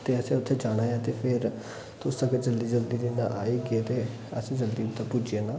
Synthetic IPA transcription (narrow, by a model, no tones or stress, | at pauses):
t̪eːəsẽːʊt̪ʰːeːd͡ʒaːɽ̃aːjãːt̪eːpʰɪɾ | t̪ʊsəɡed͡ʒəld̪iːd͡ʒəld̪iːɾinã̰ʔa̰ːiːɡɪeːt̪eː | əsẽːd͡ʒəld̪iːd̪aːpʊd͡ʒieːnãː